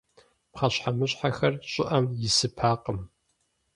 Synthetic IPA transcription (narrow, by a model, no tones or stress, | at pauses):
pχɐɕħamɨɕʼħaxɐrɕʼɪʔɐmjɪsɨpʰaːqəm